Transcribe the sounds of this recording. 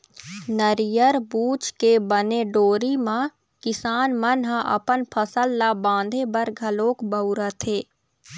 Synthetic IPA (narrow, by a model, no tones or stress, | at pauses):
nəɾijəɾbuːt͡ʃkebəneɖoːɾimã | kɪsaːnmənɦãʔɐ̰pənpʰəsəlːabãːnd̪ʱebəɾɡʱɐloːkbəʊɾət̪ʰeː